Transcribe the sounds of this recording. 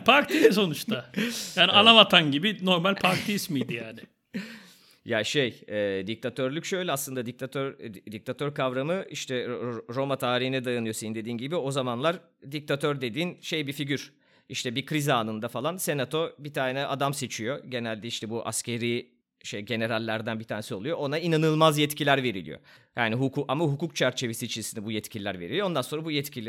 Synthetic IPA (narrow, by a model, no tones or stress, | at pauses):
pʰaɾt̪ʰijɛso̞nut͡ʃt̪ʰajjaːnialˠavat̪ʰanɟibino̞ɾmalʲpʰaɾt̪ʰiismijd̪ijaːnɪ | jaːʃejɛːd̪ic̚t̪ʰat̪ʰøɾlʲycʲʃø̞jlʲɛaslˠɯnd̪ad̪ic̚t̪ʰat̪ʰøɾd̪ic̚t̪ʰat̪ʰøɾkʰavɾamɯiʃt̪ʰɛɾo̞mat̪ʰaːɾihinɛd̪ajanɯjo̞sejind̪e̞d̪iːnɟibio̞zamanlˠaɾ | d̪ic̚t̪ʰat̪ʰøɾd̪e̞d̪iːnʃe̞jbifiɟyɾ | iʃt̪ʰɛbikʰɾizaːnɯnd̪afalˠanse̞nat̪ʰo̞bit̪ʰaːnɛʔad̪amse̞t͡ʃʰijo̞ɟe̞nælʲd̪ɛiʃt̪ʰɛbuʔa̰scʰe̞ɾi | ʃejɟe̞ne̞ɾalʲːæɾd̪ænbit̪ʰaːnesio̞lˠujoonainanɯlˠmazjɛt̪cʰilʲæɾve̞ɾilʲḭjo̰jaːniɦukʰuʔamaɦukuk̚t͡ʃʰæɾt͡ʃʰe̞vesiːt͡ʃʰisinɛbujɛt̪cʰilʲilʲæ̰ɾveɾilʲijond̪anso̞nɾabujɛt̪cʰilʲ